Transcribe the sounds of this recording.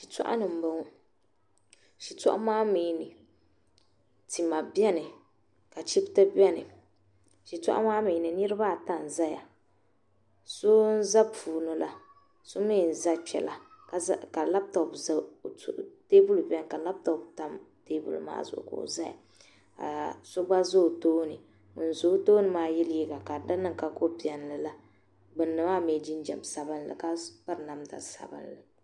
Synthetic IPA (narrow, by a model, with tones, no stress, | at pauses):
ʃi˨tɔ̰˦ʔa̰˦nɨ˨m̩˨bo˨ŋ˦ | ʃi˨tɔ̰˦ʔa̰˦maː˦miː˨˦˨nɨ˨ | ti˨ma˨bjɛ˦nɨ˨ | ka˨t͡ʃi˦bta˦bɛ˦nɨ˨ | ʃi˨tɔ̰˦ʔa̰˦maː˦miː˨nɨ˨nɨ˦ɾɨ˦ba˦˨ta˨n̩˨za˦ja˨ | so˦n̩˦za˦puː˨nɨ˨la˦ | so˦mi˦˨n̩˨za˦t͡ʃɛ˨la˨ka˨˦ka˨la˦b̚tɔ˨bz | teː˦bu˦lbɛ˦ŋ˨ka˨la˦b̚tɔ˨bta˦m | teː˦bṵ˦l̰ma̰ː˦zʊ̰˨ʔko̰˨za˦ja̰˨ | ka̰˨so˦ɡ͡ba˦zo˦˨toː˦nɨ˨ | n̩˨zo˨˦toː˦nɨ˨maː˦jɛ˦lji˦ɡa˨ka˨da˦nɨ˦ŋ˨ka˨ko˦pi˨ɛ˨n˨lɨ˨la˦ | bɨ˨nːɨ˨ma˦me˨d͡ʒi˦n˦d͡ʒɛ̰˨m˨sa˨bɨ˦nlɨ̰˨ka˦pa˦ɾɨ˨na˨mta̰˨sa̰˨bɨ̰˦nlɨ˨